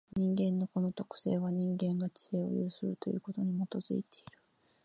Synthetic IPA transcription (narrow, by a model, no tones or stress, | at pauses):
ɲ̟ĩŋɡẽ̞nːo̞ko̞no̞t̪o̞kɯ̟̥se̞̰ːβaɲ̟ĩŋɡẽ̞ŋɡat͡ɕi̥e̞ːo̞̰jɯ̰ːsɨɾɯ̟t̪o̞jɯ̟ːko̞t̪o̞ɲ̟imo̞t̪o̞zɨ̰it̪e̞iɾɯ̟̥